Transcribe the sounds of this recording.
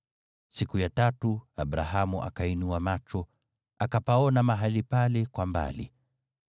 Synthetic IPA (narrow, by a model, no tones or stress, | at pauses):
sikujatatuabɾaɦamuʔa̰kainuamat͡ʃɔ | akapaɔnamaɦalipalɛkwamba̰lḭ